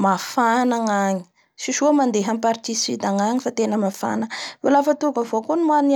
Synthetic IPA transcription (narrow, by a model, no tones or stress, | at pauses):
mafanaŋaɲi̥ | ʃiʃuamand̪eɦampaɾt̪isit̪aŋaɲifat̪enəmafa̰nəolafət̪uɾukəvokonimani